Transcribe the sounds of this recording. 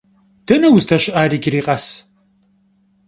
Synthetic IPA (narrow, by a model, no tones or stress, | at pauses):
d̥ɐnɐwʊztʰɐɕɪʔaːɾiːɡʲɪɾiːqʼɐs